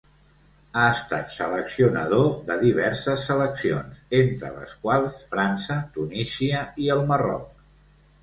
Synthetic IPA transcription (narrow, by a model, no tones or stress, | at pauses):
aəst̪a̰t̪sələksiunə̰ð̞oðəðiβ̞ɛɾsəsːələksionsent̪ɾə̰lə̰skwalˠsfɾansət̪unisiəiəlˠmərɔ̰k̚